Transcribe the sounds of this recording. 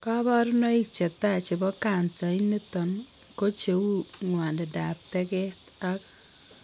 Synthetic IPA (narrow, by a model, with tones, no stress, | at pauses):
ka˦bɔ˦ɾʊ˦nɔ˦ɪ˦k̚t͡ʃe˨t̪a˦˨t͡ʃɪ˨bɔ˦ka˨nsa˨i˦ni˦t̪ɔ˨n | ko˦t͡ʃe˨wu˦ŋwa˨ndɛ˨da˨p̚tɛ˦kɛ˦ta˦k